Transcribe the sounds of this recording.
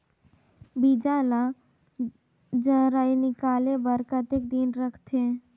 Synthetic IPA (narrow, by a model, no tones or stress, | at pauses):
bid͡ʒaːla | d͡ʒəɾaːinɪkaːlebəɾkət̪ekd̪inɾəkʰt̪ʰe